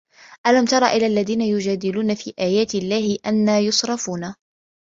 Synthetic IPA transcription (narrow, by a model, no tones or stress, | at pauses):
ʔalamt̪ɑɾˤɑ̰ːʔɪlaːlːaðiːnajʊd͡ʒaːd̪ɪluːnafiːʔaːjaːt̪ɪlːaːhɪʔanːaːjʊsˤɾˤɑfuːna